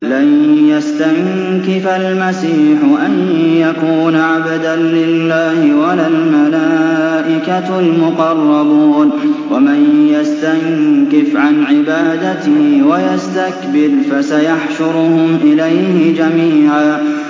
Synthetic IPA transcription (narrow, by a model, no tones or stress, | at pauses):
lanjast̪aŋ | kɪfalmasiːħʊʔanjakuːnaʕabd̪anlɪlːaːhɪwalalmalaːʔɪka | lmʊqɑrˤːɑbuːnwamɪnjast̪aŋkɪfʕanʕɪbaːd̪at̪ɪhɪwajast̪akbɪɾfasajaħʃʊɾʊhʊmʔɪlajhɪd͡ʒamiːʕaː